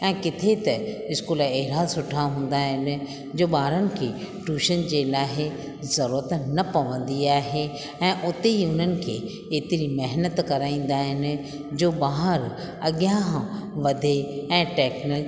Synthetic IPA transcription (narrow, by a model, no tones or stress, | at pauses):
ɛ̃ːkɪt̪ʰet̪ɐɪskuːləeɦɪɾasʊʈʰaɦũːn̆d̪aːɦɪnɪ̆ | d͡ʑoːɓaːɦɾənɪ̆kʰeː | ʈuːʃənd͡ʑeːlaːɦɪ | zɐɾuːɾət̪nɐpɐʋə̃n̆d̪iaːɦe | ɛ̃ːʔʊt̪eiʊn̤ənɪ̆kʰeː | eːt̪ɪɾimɐɦnət̪kɐɾaːĩːn̆d̪aːɦɪnɪ̆ | d͡ʑoːɓaːɦəɾ | ɐɠjãɦʋɐd̪ʱeɛ̃ːʈɛːknəl